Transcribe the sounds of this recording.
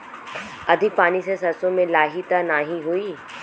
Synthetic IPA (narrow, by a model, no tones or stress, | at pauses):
ɐd̪ʱɪk̚paːnisesɐɾsõmẽlaːɦɪt̪anaːɦiɦuiː